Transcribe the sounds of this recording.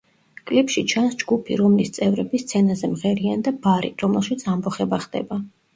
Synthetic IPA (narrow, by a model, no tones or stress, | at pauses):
kʼlipʃit͡ʃʰansd͡ʒɡupʰḭɾɔmlist̪sʼɛvɾɛbist̪sʰɛnazɛmʁɛɾiand̪abaɾḭɾɔmɛlˠʃit̪sʰambɔχɛbaχd̪ɛ̰ba